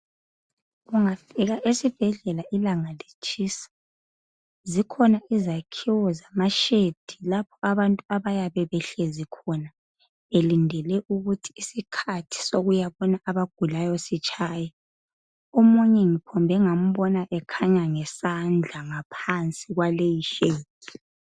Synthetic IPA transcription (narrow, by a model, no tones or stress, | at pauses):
ɣuŋafiɣaʔesib̥ʱɛɮɛlaʔilaŋalit͡ʃʰʼiːsḁ | zikʰɔnaʔizakʰiwɔzamaʃed̥ʱilapʰɔaβantʼuaβajaβɛβɛɬezikʰɔna | elindʱɛlɛʔuɣutʰi̥ːsikʰatʰi̥soɣujaβɔnaʔaβaɡ̥̚ʱulajɔsit͡ʃʰʼaːja | omuɲɛŋipʰɔmbʱɛŋam̩βɔnaʔɛkʰaɲaŋɛsand͡ɮʱaŋapʰant͡sʼiɣwalejiʃeːd̥ʱi̥